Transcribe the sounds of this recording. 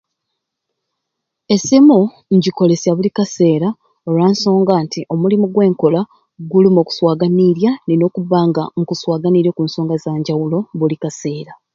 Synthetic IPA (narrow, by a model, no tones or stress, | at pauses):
e̞simu | ɲɟiko̞le̞sjaβulikase̞ːɾa | olwaːnso̞ːŋɡantiʔo̞mulimoɡwe̞ːŋko̞la | ɡulimo̞ːku̥swaːɡaniɾjanino̞ːkuβaːŋɡaŋkuswaːɡaniɾokunso̞ːŋɡazaːɲɟawulo̞βulikase̞ːɾa